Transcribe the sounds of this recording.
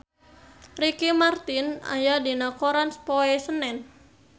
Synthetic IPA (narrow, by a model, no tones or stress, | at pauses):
rikimart̪ina̰jadinakoɾanspɔɛsənɛn